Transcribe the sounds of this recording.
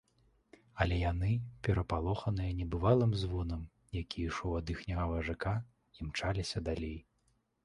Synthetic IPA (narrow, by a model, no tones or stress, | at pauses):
ɐlʲɛjanɨpʲɛɾɐpalˠɔxɐnɨjɐnʲɛbɨvalˠɨmzvɔnɐm | jakʲijiʂɔwɐd̪ixnʲɐɣɐvɐʐɨka | imt͡ʂalʲisʲɐd̪alʲej